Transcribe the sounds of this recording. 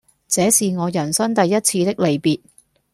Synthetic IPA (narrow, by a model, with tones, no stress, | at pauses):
t͡sɛː˨˥siː˨ŋɔː˨˧jɐ˨˩nsɐ˥nt̪ɐ˨jːɐ˥t̚t͡sʰiː˧t̪ɪ˥k̚le˨˩jpiː˨t̚